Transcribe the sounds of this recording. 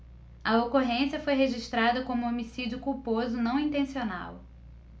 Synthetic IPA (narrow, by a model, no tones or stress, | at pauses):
ɐokoɦẽsiɐfojɦeʒiʃt̪ɾad̪ɐkõmʊomisid͡ʒʊkuwpozʊnɐ̃w̃ĩnt̪ẽsiona̰w